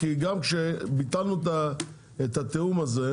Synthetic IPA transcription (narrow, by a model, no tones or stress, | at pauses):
kiɡamkʃebit̪alnuet̪a | et̪at̪eumaze̞